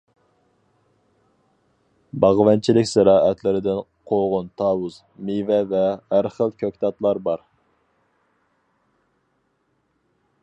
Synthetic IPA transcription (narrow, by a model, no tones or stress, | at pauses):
bɑʁvɛnt͡ʃʰilɪkʲsæɾɑːʔɛt̪lɪɾɪd̪ɪn | qʰoʁʊnt̪ʰɑːwuz | mivɛvɛæɾχəlˠkʲʰøkʲt̪ʰɑt̪lˠɑɾbɑɾ